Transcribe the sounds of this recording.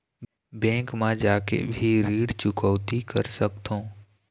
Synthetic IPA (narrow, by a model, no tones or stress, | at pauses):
bɛ̃ːŋkmãd͡ʒaːkḛbʱiɾiːɽt͡ʃʊkɔːt̪ikəɾsəkt̪ʰõː